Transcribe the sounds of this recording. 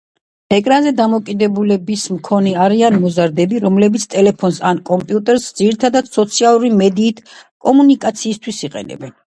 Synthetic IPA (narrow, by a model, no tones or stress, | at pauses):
ɛkʼɾanzɛd̪amɔkʼid̪ɛbulɛbismkʰɔnɛaɾianmɔzaɾd̪ɛbiɾɔmlɛbit̪sʰt̪ʼɛlɛpʰɔnsankʼɔmpʼiut̪ʼɛɾsd̪z̥iɾit̪ʰad̪ad̪̥sɔt̪sʰialˠuɾimɛd̪iːt̪ʰkʼɔmunikʼat̪sʰiːst̪ʰwisiqʼɛ̰nɛ̰bɛn